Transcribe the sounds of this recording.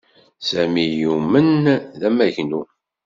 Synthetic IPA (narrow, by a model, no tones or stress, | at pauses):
sæmijumənðæmːæçnu